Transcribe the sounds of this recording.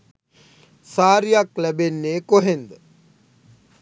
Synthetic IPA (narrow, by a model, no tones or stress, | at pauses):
saːɾijaklæbenːeːkoɦend̪ə